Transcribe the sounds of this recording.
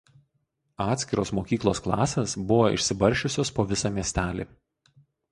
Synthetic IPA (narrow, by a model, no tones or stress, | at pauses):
ɑːt̪ʲsʲkʲɪɾoːsmoːkʲiːklˠoːsklˠɑ̰ːsʲeːsbʊʋoʔɪ̰ʃʲsʲɪbɐɾʲˑʃʲʊsʲoːspoːʋʲɪsɑːmʲiɛsʲt̪ʲæːlʲḭː